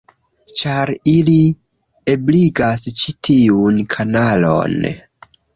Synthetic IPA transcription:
t͡ʃaɾili | ebliɡast͡ʃitʰiunkʰanalo̰n

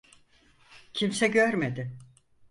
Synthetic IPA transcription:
cʰimsɛɟøɾmed̪ɪ

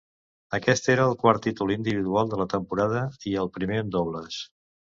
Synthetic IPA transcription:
əkɛst̪eɾəːlˠkwaɾt̪ːit̪ulind̪iβiðualˠd̪ələt̪əmpuɾað̞əiəlˠpɾimeənd̪ɔβləs

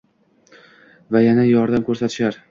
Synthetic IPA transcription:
vajanajɒɾd̪amkʰʲɵɾsat̪ʰɪ̥ʃaɾ

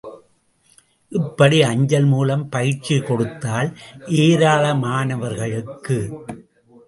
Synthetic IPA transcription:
ʔɪpːɐɽiɐɲd͡ʒɐlmuːlɐmpɐjɪʈt͡ʃːikɔɽɯt̪ːaːlʔeːɾaːlɐmaːnɐʋɐɾɣɐɭɯkːɯ

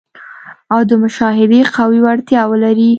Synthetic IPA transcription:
awd̪əmʊʃɑɦɪd̪eqawiwaɽt̪jɑwəlaɾi

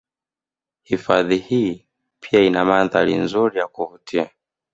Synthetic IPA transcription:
hifaðihiː | pʰiainamanðalḭnzuɾijakuhutʰia

